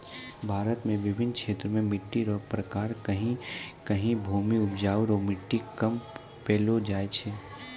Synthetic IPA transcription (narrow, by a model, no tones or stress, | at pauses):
bʱaːɾət̪mẽʋɪbʱɪnkʃeːt̪ɾəmẽmɪʈːiɾɔːpɾəkaːɾkɐɦĩkɐɦĩbʱuːmiʊpd͡ʒaːʋɾɔːmɪʈːikɐm | peːlod͡ʒaːet͡ʃʰeː